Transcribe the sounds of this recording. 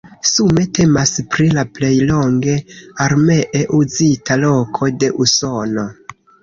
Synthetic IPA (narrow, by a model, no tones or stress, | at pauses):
sume̞te̞maspɾilaple̞jlo̞ŋɡe̞aɾme̞ʔeʔuzitʰalo̞kʰo̞de̞ʔuso̞no̞